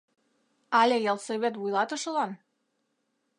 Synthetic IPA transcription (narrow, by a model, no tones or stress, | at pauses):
ɑlʲejɑlseβet̪̬βujlˠɑt̪ɤ̆ʃɤ̆lɑn